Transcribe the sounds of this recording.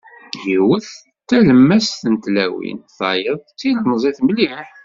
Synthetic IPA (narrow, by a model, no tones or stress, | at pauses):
jiwəθ | t̪ːæləmːæsθənt̪læwḭnθɑjəðˤt͡sːilənəzˤiθmliħ